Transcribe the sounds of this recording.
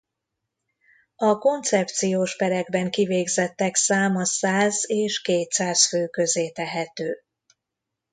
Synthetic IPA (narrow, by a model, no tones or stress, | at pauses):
ɒko̞nt̪sɛp̚t̪sijoːʃpɛɾɛɡ̚bɛŋkiveːɡzɛt̪ːɛksaːmɒsaːzeːʃkeːt̪saːsføːkø̞zeːt̪ɛɦɛt̪øː